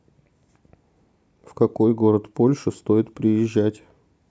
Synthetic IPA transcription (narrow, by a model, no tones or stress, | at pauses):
fkɐko̞jɡo̞ɾət̪po̞lʲʂɨst̪o̞jɪt̪pɾʲɪjɪʑːætʲ